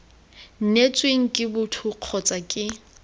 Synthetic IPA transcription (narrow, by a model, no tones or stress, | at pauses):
n̩net͡sʼweŋ̩kʼɪbʊtʰʊq͡χʰɔt͡sʼakʼɪ